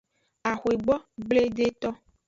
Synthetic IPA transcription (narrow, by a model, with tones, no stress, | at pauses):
a˨xwe˨ɡ͡bɔ˦ɡ͡ble˦ɖe˦t̪ɔ˦